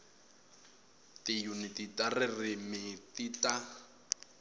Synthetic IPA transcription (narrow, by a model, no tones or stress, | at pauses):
tijunititʼarɪrɪmɪtita